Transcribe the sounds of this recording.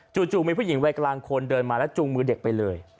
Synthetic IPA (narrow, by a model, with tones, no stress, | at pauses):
t͡ɕu˨˩t͡ɕu˨˩mi˧pʰuː˥˩ji˩˦ŋwaː˧jklaː˧ŋkʰo˧ndɤː˧nmaː˧lɛ˦˥t͡ɕu˧ŋmɯː˧de˨˩k̚pa˧jlɤː˧j